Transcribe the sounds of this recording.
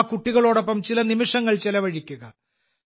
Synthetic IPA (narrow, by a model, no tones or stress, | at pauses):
kuʈːiɣɐɭoːɽo̞pːɐmt͡ɕilɐnimiʂɐŋːɐɭt͡ɕelɐʋɐɻikʲːuɣɐ